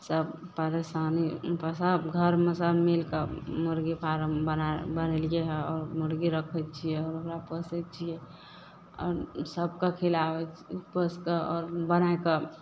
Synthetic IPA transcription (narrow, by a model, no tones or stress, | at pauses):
səbpəɾesanipəsəbɡʱəɾmesəbmilkemuɾɡipʰaɾəmbənabənəlijeɦɛɔːɾmuɾɡiɾəkʰət͡ʃʰijeɔːɾokɾapəsət͡ʃʰie | ɔ̰ːɾsəb̚kakʰilawɛt͡ʃpəskeɔːɾbənaekə